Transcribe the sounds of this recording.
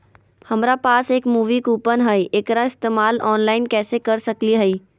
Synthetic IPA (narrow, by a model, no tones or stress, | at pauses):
hɐmɾapaːseːkmuːʋikuːpənɦəiʔeːkɾaɪst̪eːmaːlɔːnlaːɪnkɛːsekɐɾsɐkliɦəi